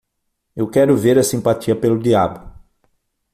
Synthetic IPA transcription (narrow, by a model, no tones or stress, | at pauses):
ewkɛɾʊveɾɐsĩmpatiɐpelʊd̪iabʊ